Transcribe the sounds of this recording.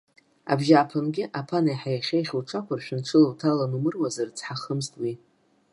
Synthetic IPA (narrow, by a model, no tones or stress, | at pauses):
a̰bʒʲaːpʰanɡʲɪʔapʰanajħajaχʲejχʲuwʈ͡ʂʰakʷʰarʃᶣɪnʈ͡ʂʰɨlowtʰalanumɨrwazart͡sʰħaχəmstʼwi